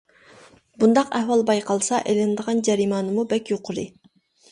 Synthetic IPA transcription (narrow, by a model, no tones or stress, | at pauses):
bund̪ɑqæhwɑlˠbɑjqʰɑlˠsɑʔelɪnd̪əʁɑnd͡ʒɛɾiːmɑːnɨmubɛkʲjoqʰʊɾɨ